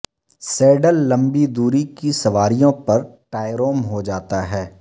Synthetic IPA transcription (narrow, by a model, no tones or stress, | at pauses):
sɛːɖəlːɐ̃mbid̪uːɾikisɐʋaːɾijõpɐɾʈaːɪɾoːmɦod͡ʒaːt̪aɦɛː